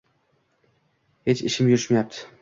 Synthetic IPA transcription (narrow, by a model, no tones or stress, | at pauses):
het͡ʃʰɪʃɪmjʊɾɪʃmajap̚t̪ʰɪ̥